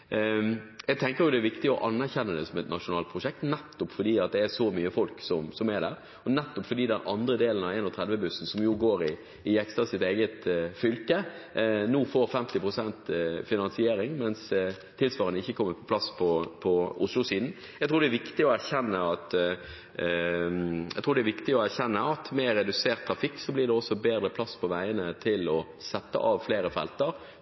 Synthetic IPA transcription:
jɛɡt̪ʰɛŋkəɾjʊd̪ɛæɾʋɪkt̪ɪɔʔɑnːæɾçɛnːəd̪ɛsɔmɛt̪nʔɑʂʊnɑːlt̪̚pʰʁʊʂɛk̚t̪nɛt̪ːɔpfɔd̪iːɑt̪̚d̪ɛæsɔmyːəfɔlksɔmsɔmæd̪æːɾ | ɔnɛt̪ːɔpfɔd̪iːd̪ɛæɾʔɑnd̪ɾəd̪eːln̩ɑʋɛnɔt̪ʰɾɛd̪ʋəbʉsn̩sɔmjuːɡoːɾɪ | ɪjɛksəɾsɪt̪eːɡət̪fʏlkənuːfoːɾfɛmt̪ɪpɾʊsɛnt̪fɪnɑnsɪeːɾɪŋmɛnst̪ʰɪlsʋɑːɾənəɪçːəkʰɔmːəɾpʰɔ̥pʰlɑspʰɔpʰɔʊslʊsiːd̪n̩ | jæɛɡt̪ɾuːd̪ɛæɾʋɪkt̪ɪɔæɾçɛnːəɑt̪ | æɡt̪ʰɾuːdɛæɾʋɪkt̪ɪɔæɾçɛnːəɑt̪mɛːɾɛd̪ʉseːɾt̪ʰːɾɑfɪkːsɔbliːd̪ɛɔsɔbeːd̪ɾəpʰlɑspʰɔʋæɪənət̪ʰɪlɔ | sɛt̪ːə̰ʔɑːʋfleːɾəfɛ̰lt̪əɾ

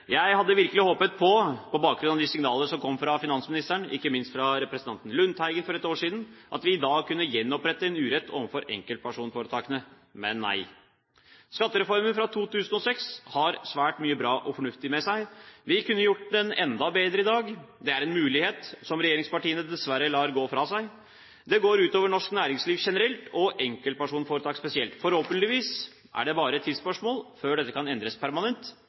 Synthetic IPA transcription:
jæɪhɑd̪ːəʋɪɾkəlɪhoːpət̪̚pʰɔpɔbɑːk̚ɡɾʉnɑd̪ɪsɪŋnɑːlənəʂɔmkʰɔmːfɾɑfɪnɑnsmɪnɪst̪əɳɪ̰kːəmɪnst̪fɾɑɾɛpɾɛsnʰɑnt̪ənəlʉnt̪hæɪɡənfɔɾɛt̪oːʂiːd̪n̩ʔɑ̰t̪ʋɪːd̪ɑːɡkʰʉnːəjɛnːɔpɾɛt̪ːəɛnʉːɾɛt̪ːo̰ːʋənfɔɾʔɛ̰ŋkəlt̪̚pʰæʂuːnfoːɾət̪ʰɑːkənə | mɛnːæ̰ɪ | skɑt̪ːəɾɛfɔɾmənfɾɑt̪ʰuːt̪ʉːsənɔsɛkshɑɾsʋæːʈmyːəbɾɑːʔɔfɔɳʉft̪ɪmɛsæɪʋɪkʉnːəjʊʈːd̪ɛnɛnd̪ɑbeːd̪ɾəɪd̪ɑːɡd̪ɛæɾɛnmʉːlɪheːt̪sɔmɾɛjeːɾɪŋspɑʈiːənəd̪ɛsʋæɾəlɑːɾɡoːfɾɑsæɪ | d̪ɛɡoːɾʉːt̪oːʋəɳɔʂknæːɾɪŋsliːʋʂɛnəɾɛlt̪ɔʔɛŋkəl̚pæʂuːnfoːɾət̪ʰɑːkspɛsɪɛlt̪fɔɾhoːpənt̪lɪʋiːs | ʔæ̰ɖɛbɑːɾəɛt̪ʰːiːd̪spœʂmoːlføːɖɛt̪ːəkʰɑnɛnd̪ɾəspʰæɾmɑnɛnt̪

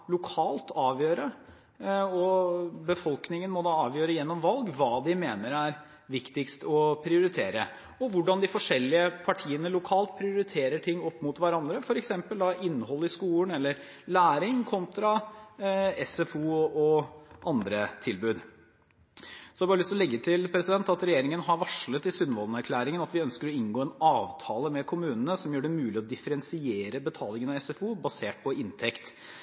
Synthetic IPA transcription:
lʊkʰɑːlt̪ʰɑːʋjøːɾə | ɔbəfɔlknɪŋənmɔd̪ɑːɑːʋjøːɾəjɛnːɔmʋɑlɡʋɑːd̪ɪmeːnəɾæɾ | ʋɪkt̪ɪkst̪ɔpʰɾɪʊɾɪt̪ʰḛːɾə̰ | ɔʋʊɖɑnd̪ɪfɔʂɛlːɪəpʰɑʈʰiːənəlʊkʰɑːlt̪̚pʰɾɪʊɾɪt̪ʰeːɾəʈʰɪŋːɔpːmʊt̪ʋæɾɑnd̪ɾəfɔɾɛksɛmpəld̪ɑʔɪnːhɔlːɪskuːlənɛlːəɾlæːɾɪŋkʰɔmt̪ɾɑ | ɛsɛfuːɔʔɔʔɑnd̪ɾət̪ʰɪlbʉːd̪ | sɔd̪ɛæɾbɑːɾɭʏst̪ɔlɛɡːət̪ʰɪlpʰɾɛsɪd̪ɛnt̪ɑt̪ɾɛjeːɾɪŋənɦɑɾʋɑʂɭət̪ɪsʉnːʋɔlnæɾkʰlæːɾɪŋənɑt̪ʋɪœnskəɾɔɪnɡoːɛːnɑːʋt̪ʰɑːləmɛkʰʊmʉːnənəsɔmjøːɖɛmʉːlɪɔd̪ɪfəɾɛnsɪeːɾəbət̪ʰɑlɪŋənɑɛsɛfuːbɑseːʈ̚pʰɔɪnt̪ʰɛkt̪

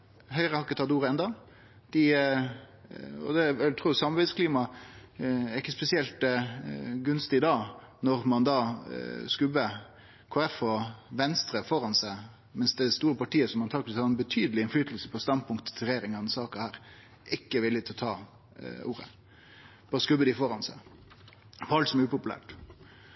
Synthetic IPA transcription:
ɦœʏʁəhɑkːət̪ʰɑːd̪uːɾəɛnd̪ɑ | d̪̥ɪ | ɔ̰d̪ɛʋɛlt̪ʰʁuːsɑmɑbɛskʰliːmɑ | æɾɪkːəspɛsɪɛlt̪ | ɡʉnst̪ɪɪd̪ɑː | nɔɾmɑnd̪ɑːskʉbə | kʰʊɛfɔʋɛnst̪ɾəfɔɾɑnsæɪ | mɛnsd̪ɛst̪uːɾəpɑʈiːəsɔmɑnt̪ʰɑk̪ɪshɑɾɛnbət̪ʰyːd̪əlɪɪnflyːt̪lsə̥pʰɔst̪ɑnd̪̚pʰʊŋkt̪ə̥t̪ʰɪɾeːɾɪŋɑɛnsɑːkɑhæːɾ | ʔɪkːəɛɾʋɪlːɪɡt̪ɪlɔt̪ʰɑː | uːɾə̰ | b̥ɑːɾəskʉbːəd̪ɪfɔɾɑnsæɪ | pʰɔɑlt̪sɔmɛʉːpʊpʉlæ̰ːʈ

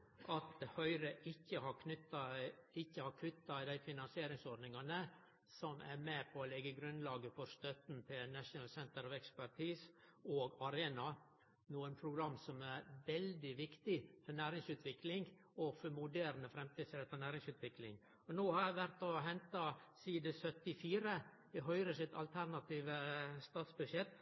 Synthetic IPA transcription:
ʔɑt̪hœʏɾəʔɪçəhɑɾkʰnʏt̪ɑɪçːəhɑɾk̪ʰʏt̪ːɑɪd̪æɪfɪnɑnsɪeːɾɪŋsɔɖ̪nɪŋɑnə | sɔmʔæ̰ɾmɛpʰɔːlɛɡəɡɾʉnlɑːɡəfɔɾst̪œt̪nt̪ʰɪlnæʂnəlsɛnt̪əɾɑʋɛkspæɾʈʰiːs | oːɡɑɾeːnɑ | nuːənpʰɾʊɡɾɑmːsɔmæɾʋɛld̪ɪʋɪkt̪ɪfɔɳæːɾɪŋsʉːt̪ʰʋɪklɪŋ | ɔfɔɾmʊd̪æːɾənəfɾɛmt̪ʰiːseəfɔnæːɾɪŋsʉːt̪ʰʋɪklɪ̰ŋ | ɔnoːhɑɾdɛʋæɾt̪ɔɦɛnt̪ɑsiːd̪əsœt̪ɪfiːɾə | ɪɦœʏɾəsɪt̪ʰɑ̰lt̪ʰæɾnɑt̪ʰiːʋəst̪ɑːt̪sbʉʂɛt̪ː

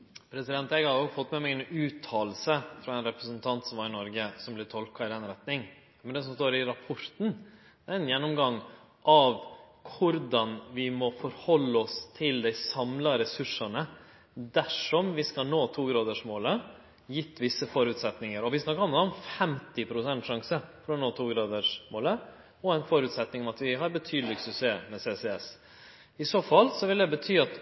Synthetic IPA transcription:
pʰɾɛsɪd̪ɛnt̪ɛɡhɑɾoːɡfɔt̪ːmɛmɛɡɛnʉːt̪ʰɑːll̩səfɾɑɛnɾɛpɾɛsənt̪ʰɑnt̪sɔmʋɑɾɪnɔɾɡəsɔmblɛt̪ʰɔlkɑɪd̪ɛnɾɛt̪nɪŋ | mɛnd̪ɛs̬ɔmst̪oːɾɪɾɑpʰɔɾt̪n̩ | d̪̥ɛæɪnjɛnːɔmɡɑŋː | ʔɑʋ | kʰʊɾd̪ɑnʋɪmɔfɔɾhɔlːəɔst̪ʰɪld̪æɪsɑmlɑɾɛsʉʂəɳə | d̪æʂɔmʋɪskɑnoːt̪ʰuːɡɾɑːd̪əʂmoːlə | jɪt̪ːʋɪsːəfɔɾʉːt̪sɛt̪nɪŋəɾɔʋɪsnɑkːɑɔmd̪ɔmfɛmt̪ɪpʰɾʊsɛnt̪ʂɑŋsəfɔɾɔnoːt̪ʰuːɡɾɑːd̪əʂmoːlə | ɔæɪnfɔɾʉːt̪sɛt̪nɪŋɔmɑt̪ʋɪɦɑɾbət̪ʰyːd̪əlɪɡsʏkseːmɛseːsɛɛs | ɪsoːfɑlsɔʋɪld̪ɛbət̪ʰyːɑt̪

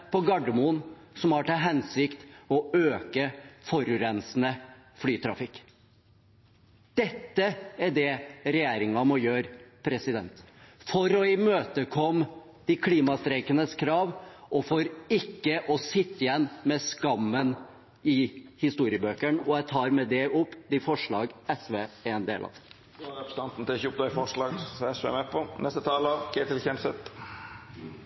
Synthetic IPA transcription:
pʰɔɡɑɖəmun | sɔmhɑʈɑɦɛnsɪkt̪ɔøːkəfɔɾʉɾɛnsn̩ə | flyːt̪ʰɾɑ̰fɪkː | d̪̥ɛt̪ːəæɖɛɾɛjeːɾɪŋɑmɔjøːɾpʰɾɛsɪd̪ɛnt̪fɔɾɔɪmøːt̪əkʰɔm | d̪̥ɪkʰliːmɑst̪ɾɛkənəskʰɾɑːʋɔfɔɾɪkːəʔɔsɪt̪ːɪjɛnːmɛskɑmːən | ɪhɪst̪uːɾɪəbøːkəɳɔjæɪt̪ʰɑːɾmɛd̪ɛʔʊpːd̪ɪfɔʂɭɑːɡɛsʋeːɛɛnd̪ḛːlʔɑ̰ːʋ | ɑpst̪ɑnt̪n̩t̪ɪɪçʊp̚d̪æɪfɔʂɭɑːɡsɔɛsʋɛ̰mɛpʰɔnɛst̪ət̪ʰɑːlɑkʰeːt̪ɪlçɛnt̪sɛt̪

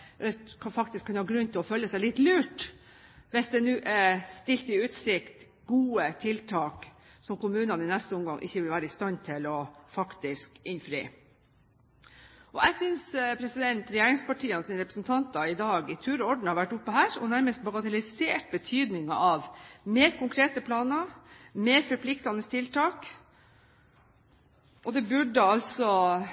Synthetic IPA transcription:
ɛkʰɑfɑk̚t̪ɪskʰːɑnəhɑːɡɾʉnt̪ʰɪlɔfœlːəsæɪlɪt̪lʉːʈ | ʋɪsd̪ɛnʉːʔɛɾst̪ɪlt̪ɪʉːt̪sɪkt̪ | ɡ̥uːət̪ʰɪlt̪ʰɑːk | sɔmkʊmʉːnɑnɪnɛst̪əɔmɡɑ̰ŋʔɪ̰çːəʋɪlʋæːɾəɪst̪ɑnt̪ʰɪlɔfɑkt̪ɪskɪnfɾḭː | ʔɔæsʏnspʰɾɛsɪd̪ɛnt̪ɾɛjeːɾɪŋspɑʈʰiːənsɪːnəɾɛpɾəsn̩t̪ʰɑnt̪ɑɪd̪ɑːɡɪt̪ʰʉːɾɔɖɳ̩hɑɾʋæʈːʊpːəhæːɾɔ̰næɾməst̪bɑɡɑt̪ɛlɪseːʈ̚bət̪ʰyːd̪nɪŋɑ̰ʔɑʋmeːɾkʊŋkʰɾeːt̪əpʰlɑːnəmeːɾfɔɾpʰlɪkt̪ɑnəst̪ʰɪlt̪ʰɑːk | ʔɔd̪ɛbʉɖəɑlsɔ

